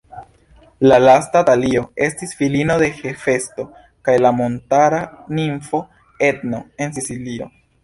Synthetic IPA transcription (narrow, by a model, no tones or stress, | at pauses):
lalastatalio̞e̞stisfilino̞de̞xe̞fe̞sto̞ | kajlamo̞ntaɾaniɱfo̞ | e̞t̪no̞e̞nsisilio̞̰